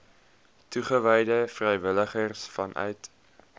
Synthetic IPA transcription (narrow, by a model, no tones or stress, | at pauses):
tuχəvɛjdəfrɛjvələχərsfɐnʔœ̰ɥt